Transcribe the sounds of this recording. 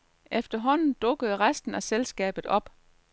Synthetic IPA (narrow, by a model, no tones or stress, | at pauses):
ʔefd̥ɐɦɒ̽n̰n̩d̥ɔ̽ɡ̥əð̩ˠʁasd̥n̩æselsɡ̥ɛ̰ːb̥ð̩ˠɒ̽b̥